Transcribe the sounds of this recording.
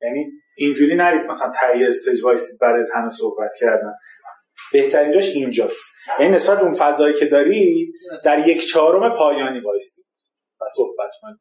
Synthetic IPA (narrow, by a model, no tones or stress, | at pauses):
jæni | ind͡ʒuːɾiːnæɾiːd̪̚mæsælænt̪ʰæijeest̪ed͡ʒbɒːjst̪iːd̪̚bæɾjet̪hæmesohbæt̪cʰæɾd̪æn | b̥e̞ht̪ʰæɾiːnd͡ʒɒʃind͡ʒɒːst̪ | jænine̞sbæl̚beunfæzɒːjicʰe̞d̪ɒːɾid̪æɾje̞cʰt͡ʃʰɒːɾo̞me̞pʰɒːjɒːniːbɒːjsiːd̪̥ | væsohbæt̪kʰonid̪